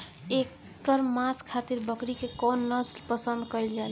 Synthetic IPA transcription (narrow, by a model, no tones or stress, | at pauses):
ek | əɾmaskʰat̪iɾbəkɾikekɔnːəslpəsənd̪kəjld͡ʒal